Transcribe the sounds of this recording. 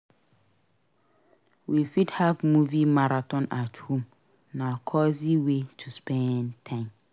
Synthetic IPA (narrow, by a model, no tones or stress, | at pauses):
wifidhavmũvimaɾatʰɔ̃nathũm | nãkʰɔsiwetʰuspɛ̃nntʰãɪ̃m